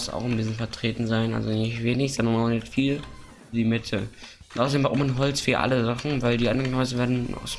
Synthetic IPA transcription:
sa̰ʊxʊmdiːzsfɛɐtʁ̥eːtn̩zaɪnʔa̰lzonɪçv̥eːnɪçz̥ɔndɐnnanɛfiːl | diːmɪtʰə | ntʔaʊsdeːmvaʔʊmanɦɔlt͡sfyːɐʔa̰ləzaχn̩vaɪldiːa̰nɛŋkɔɪzəveːɐdn̩̰s

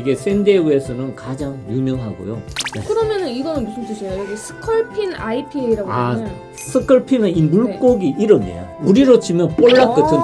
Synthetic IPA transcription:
iɡe̞sʰende̞uesʰʌnɯnkad͡ʑaŋjumjʌŋɦaɡo̰jokɯɾʌmjʌnɯniɡʌnɯnmusʰuntʰɯɕʰʌjojoɡisʰɯ̥kʰɯɭpʰina̰ipʰiiɾaɡa | sʰɯkʰɯɭpʰinɯnimuɭk͈oɡiʔiɾʌmḛjo̰uɾiɾot͡ɕʰimjʌnp͈oɭːak͈ɯtʰɯn

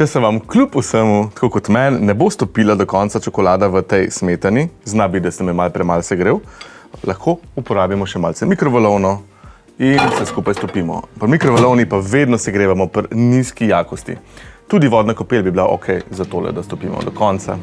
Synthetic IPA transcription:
t͡ʃɛsɛʋamklupusəmut̪ḁkokɔt̪mɛnːɛbost̪ɔpilad̪ɔkɔnt̪sat͡ʃɔkɔlaːd̪aʋət̪ɛjsmet̪aniznabid̪asɛmɛmalpɾɛmalsɛɡɾeːwlɐxkʰoupɔɾaːbjamɔʃɛmalsɛmikɾɔʋɐlɔwnɔ | insɛskuːpajst̪ɔpiːmɔ̰pɐɾmikɾɔʋɐlɔwnipaʋed̪nɔsɛɡɾeːʋamɔpəɾniskijaːkɔst̪ḭt̪uːd̪iʋɔːd̪nakɔpelbiblaʔo̰kʰɛjzat̪olɛ̰d̪ast̪ɔpiːmɔ̰d̪ɔkɔnt̪sa̰

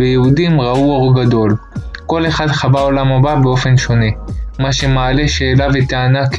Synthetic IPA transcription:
vejehudimʁauoʁɡad̪o̞lko̞le̞χad̪χabaolamhababeo̞fe̞nʃo̞ne̞maʃe̞maːle̞ʃe̞ːlavet̪aanak

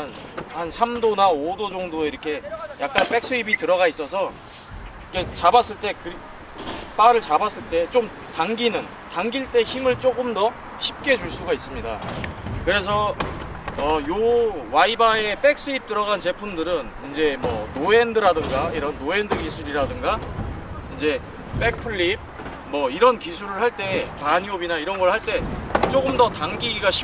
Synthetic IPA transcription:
n | hansʰamdonaodod͡ʑʌŋdoiɾʌkʰe̞jak̚k͈anp͈e̞k̚s͈uibitɯɾʌɣais͈ʌsʰʌ | ikʰe̞t͡ɕabas͈ɯɭt͈e̞kɯɾ | p͈aɾɯɭt͡ɕabas͈ɯɭt͈e̞t͡ɕ͈om | taŋɡinɯn | taŋɡiɭt͈e̞çimɯɭt͡ɕ͈oɡɯmdʌ | çʰip̚k͈ʰe̞d͡ʑuɭs͈uɡais͈ɯmɲida̰kɯɾe̞s̬ʰʌ | ʌjowaibae̞p͈e̞k̚s͈uip̚t͈ɯɾʌɣant͡ɕe̞pʰumdɯɾɯnind͡ʑe̞mʌnoendɯɾadɯŋɡaiɾʌnːoe̞ndɯɡisʰuɾiɾadɯŋɡa | ind͡ʑe̞ | p͈e̞k̚pʰuɭːip̚ | mʌiɾʌnkisʰuɾɯɭhaɭt͈e̞paɲiobinaiɾʌnɡʌɭhaɭt͈e̞t͡ɕ͈oɡɯmdʌtaŋɡiɡiɡaɕʰi

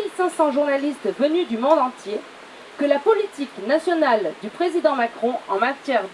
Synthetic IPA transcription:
ilsɛ̃sɑ̃ʒuʁnalist̪vənyd̪ymɔ̃d̪ɑ̃t̪je | kəlapɔlit̪iknasjɔnald̪ypχezid̪ɑ̃makχɔ̃ɑ̃mat̪jɛʁd̪

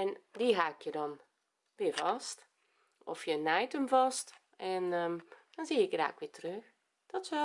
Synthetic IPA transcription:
ɛndiɦaːkʰjədɑn | ʋiːəvɑst | ɔfjənɛjtəmvɑst | ʔɛnd̥ɔnziːɪkɡra̰ːkʋɪːtrøx | d̥ɔtsɛ

